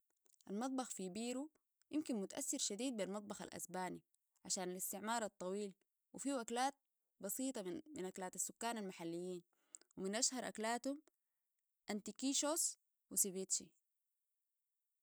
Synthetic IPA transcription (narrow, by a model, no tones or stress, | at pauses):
ʔalmɑt̪̚ˤbɑxfijbiːɾu | jʔɪmkinmʊt̪aʔa̰θːiɾʃad̪iːd̪̚bilmɑt̪ˤbɑxa̰lʔa̰sbaːni | ʕaʃaːnalist̪ɪʕmɑːɾˤɑt̪ˤːɑwiːl | wifiwaklaːt̪̚ | bɑsiːt̪ˤɑminʔaklaːt̪asːukːaːnalmaħalːijːiːn | wiminʔaʃhɑɾˤʔa̰klaːt̪hum | ʔant̪ikiːʃoːs | wisibeːt̪ʃi